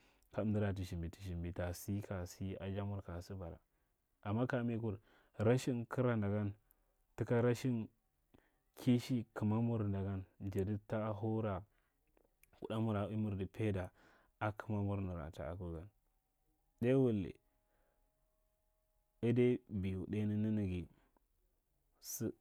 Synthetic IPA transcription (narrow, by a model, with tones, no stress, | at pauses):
ka˦˨˦di˦ɾa˨t̬i˨ʃi˨mbi˨ti˨ʃi˨mbi˨ta˨si˦ka˨si˦a̰˨d͡ʒa˦mu˦ɾka˨si˦ba˨ɾa̰˨ | a˨mːa˦ka˨˦me˦ku˨ɾ | ɾa˦ʃi˦nki˦ɾa˦˨nda˨ɡa˦n | ti˦ka˦ɾa˦ʃi˦n | kʰi˦ʃi˦kʰi˨ma˦mu˦ɾnda˨ɡa˦nd͡ʒe˨di˦ta˦ɦu˦ɾa˨ | kṵ˨da˦mu˦ɾa˨i˦mu˨ɾdi˨pʰe˦da˨ | a˦kʰə˨ma˦mu˦ɾni˨ɾa̰˨ta̰˨a̰˨ku˦ɡa˦n | de˦wu˦lːḛ˨ | i˦de˦bi˨ju˨de˦ni˦ni˦ni˨ɡi˨ | si˦